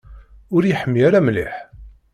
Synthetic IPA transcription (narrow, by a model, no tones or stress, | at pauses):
ʊɾjiħəmːjaɾamːliħ